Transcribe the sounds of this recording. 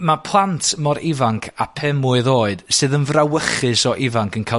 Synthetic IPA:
mapʰlˠantʰmɔɾʔɪvaŋkʰapʰɛmʊɨðoːɨd̥sɨːðənvrawəχɨsɔʔɪvaŋkʰənkʰa

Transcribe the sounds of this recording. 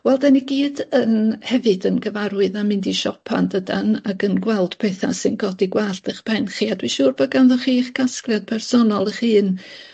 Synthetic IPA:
wɛlˠdaniɡiːdənhɛvɨdənɡəvaɾwɨðamɪndiʃɔpʰa̰ndədanakənɡwɛlˠd̥pʰeːθa̰sɨnɡɔdiɡwaɬtəχpʰɛnχiadwiʃuːrbɔɡanðɔχiːχɡasklˠjad̥̚pʰɛrsɔnɔlˠəχiːn

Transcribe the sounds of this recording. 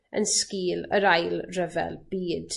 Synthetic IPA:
ə̰nskiːləɾajlˠrəvɛ̰lˠb̥iːd̥

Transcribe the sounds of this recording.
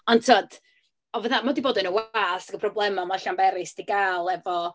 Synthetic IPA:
ɔntʰoɔd̥ | ɔvaðamadiboːdənəwaːsəɡəpʰrɔblˠɛmɔmaɬambɛɾɨsd̥iɡaːlˠɛvɔ

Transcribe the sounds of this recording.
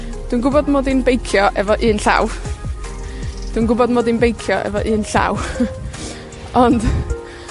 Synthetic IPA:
d̥winɡʊbɔdmoːdinbejkʰjɔʔɛvɔʔɨːnɬa̰w | d̥winɡʊbɔdmoːdinbejkʰjɔʔɛ̰vɔʔɨːnɬa̰w | ɔnd̥

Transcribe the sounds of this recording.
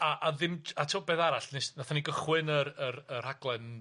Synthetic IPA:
aʔaðɪmatʰəwbeːðaɾaɬnesnaθaniɡəχwɨnəɾəɾər̥haɡlˠɛn

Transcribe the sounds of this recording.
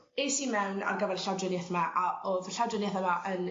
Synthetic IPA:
ejsimɛwna̰rɡəvɛrɬawdrɪnɛθmaʔaoðɬawdrɪnjɛθamaʔən

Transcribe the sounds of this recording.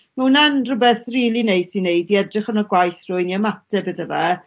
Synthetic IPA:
mɛwunanrʊbɛθriːlˠinejd̥sinːejdiɛdrɪχənəɡwajθrʊɨniəmatɛbəðəvɛ

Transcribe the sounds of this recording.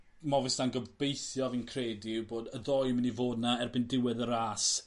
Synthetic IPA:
mɔvɪsnanɡəb̥ejθjɔvinkʰreːdiboːdəðɔjmənivoːdnaɛrbɪndɪwɛðəɾaːs

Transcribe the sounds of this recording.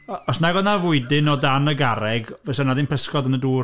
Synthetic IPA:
ɔsnaɡɔnavʊɨdɪnɔdanəɡaɾɛɡvɛsɛnadɪnpʰəskɔdənəduː

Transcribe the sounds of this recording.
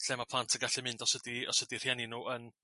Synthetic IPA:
ɬɛmapʰlˠantʰəɡaɬɛmɪndɔsədiɔ̰sədir̥jɛnɪnuːʔən

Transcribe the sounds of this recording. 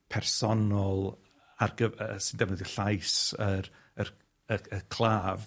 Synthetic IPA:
pʰɛrsɔnɔlˠ | arɡəsɪndɛvnəðiɬajsəɾ | ər | əəkʰl̥ˠaːv

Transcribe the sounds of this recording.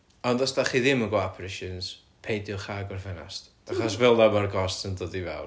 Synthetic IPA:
ɔndɔsdaχiːðɪmənɡwaapʰɾɪʃəns | pʰejdjɔχaːɡwɔrvɛna̰std̥aχɔsvɛlˠdamarɡɔstəndoːdivɛ̰lˠ

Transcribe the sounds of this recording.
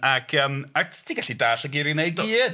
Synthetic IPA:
akʰəːmaktʰiɡaɬidaːɬəɡɪɾinejɡ̚dɛ

